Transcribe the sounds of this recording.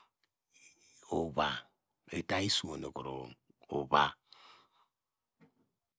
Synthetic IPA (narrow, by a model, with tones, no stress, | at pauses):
o˨βa˨ | e˨ta˦i˦su˨o˨no˨ko˨ɾo˨ | o˨βa˦